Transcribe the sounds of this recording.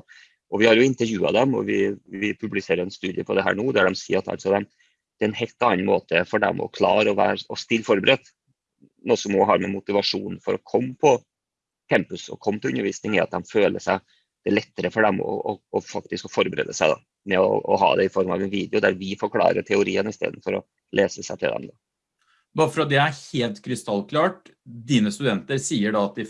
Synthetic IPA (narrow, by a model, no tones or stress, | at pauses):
ʔɔʋɪhɑɾjʊɪnt̪əɾjʉːɑ̰d̪ɛmɔ̰ʋɪʋɪpʰʉblɪseːɾjʊɛnst̪ʉːd̪ɪəpʰɔd̪ɛɦæ̰ːɳuːd̪æɖɛmsḭːɑt̪ːɑ̰lt̪sɔd̪ɛm | d̪̥ɛɛnhɛlt̪ɑnːnɑnmoːt̪əfɔɖɛ̰mʔɔ̰kʰlɑːɾəɔʋæ̰ːɾɔst̪ɪlːfɔɾbəɾʔɛt̪ː | nuːsɔmːɔɦɑɾmɛmʊt̪ɪʋɑʂuːn̩fɔɾɔkʰɔmːpʰɔ | k̪ʰɛmpʉsɔ̰kʰɔmːt̪ʰɪʉnːəɾʋiːsnɪŋɪɑt̪̚d̪ɛmføːləʂæɪ | d̪̥ɛɭɛt̪ːəɾəfɔɖɛmɔ̰ɔɔfɑk̚t̪ɪskɔfɔɾbəɾḛːd̪əsæɪd̪ɑ̰ | mɛɔ̰ɔɦɑ̰ːd̪ɛɪfɔɾmɑ̰ʋɛnʋiːd̪ɛʊd̪æɾʋɪfɔɾkʰlɑ̰ːɾəʈʰɛʊɾiːənɪst̪ḛːd̪n̩fɔɾɔ | leːsəsæɪt̪ʰɪld̪ɛ̰md̪ɑ | bɑːɾəfɔɾɑt̪̚d̪ɛæɾheːlt̪kʰɾɪst̪ɑlːkʰlɑːʈ | d̪iːnəst̪ʉd̪ɛnt̪əɾsiːəɖɑːt̪̚d̪ɪ